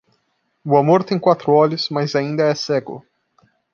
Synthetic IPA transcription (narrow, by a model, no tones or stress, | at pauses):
ʊamoɾt̪ẽj̃kwat̪ɾʊɔlʊsmazaĩnd̪ɐɛsɛɡʊ̰